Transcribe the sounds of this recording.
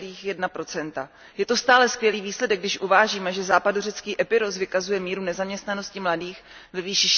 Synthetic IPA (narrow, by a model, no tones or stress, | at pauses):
diːxjɛdnapɾo̞t͡sɛnt̪a | jɛt̪o̞st̪aːlɛskvjɛliːviːslɛdɛɡdɪʃʔuvaːʒiːmɛʒɛzaːpadurɛt͡skiːʔɛpɪɾosvɪkazujɛmiːɾunɛzamɲɛst̪nano̞scɪmladiːx | vɛviːʃɪʃ